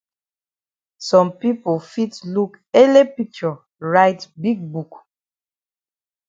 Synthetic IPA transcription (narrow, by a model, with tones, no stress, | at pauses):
sɔ̃˨mpi˦po˨fi˦tlu˦ke˦le˦pik̚t͡ʃɔ | ɹaɪtbi˦ɡ̚buk